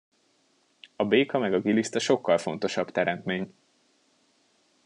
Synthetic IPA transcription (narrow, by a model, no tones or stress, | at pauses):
ɒbeːkɒmɛɡɒɡilist̪ɒʃo̞kːɒlfo̞n̪t̪o̞ʃɒbt̪ɛɾɛnt̪meːɲ